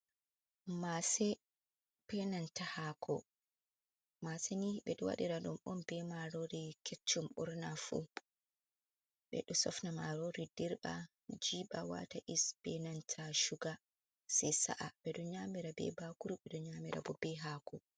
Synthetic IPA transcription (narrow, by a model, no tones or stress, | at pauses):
masɛ | pɛnantahaːkʰɔ | masɛniɓɛɗɔwa̰ɗiɾaɗumʔɔnb̥ɛmaɾoɾikʰɛt͡ʃːɔmɓɔɾnafṵ | ɓɛ̰ɗɔsɔfnamaɾoɾidiɾɓa̰ | d͡ʒiɓawa̰taʔisb̥ɛnantʰaʃuɡa | sɛjsa̰ʔaɓɛɗɔɲaːmiɾabɛ̰bakuɾuɓɛɗɔɲamiɾʔa̰bɔbɛɦaːkʰɔ